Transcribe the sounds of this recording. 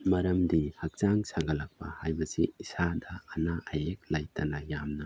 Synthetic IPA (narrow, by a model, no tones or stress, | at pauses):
mɐɾɐmdihɐk̚zaŋsaŋɡɐlɐk̚pɐ̰hajbɐsiisadɐːnaʔajek̚lajtʰɐnɐjamnɐ